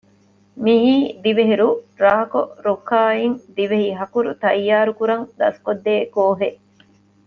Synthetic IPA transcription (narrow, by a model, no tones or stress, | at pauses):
miɦiːd̪iʋeɦiɾuɾaɦɐkoɾokːaːiŋd̪iʋeɦiɦɐkuɾṵt̪ɐjːaːɾukuɾɐŋd̪ɐ̰skod̪ːeːkoːɦeʔ